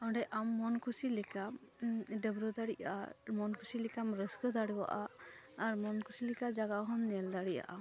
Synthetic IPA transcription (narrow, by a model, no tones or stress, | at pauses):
ɔɖɛʔamːɔnkusilikam | ɖəbɾɔd̪aɽiʔaa̰mɔnkusilikamɾəskəd̪aɽwa̰ʔaː | ɾmɔnkusilikad͡ʒaɡaɦɔnnɛld̪aɽija̰ʔa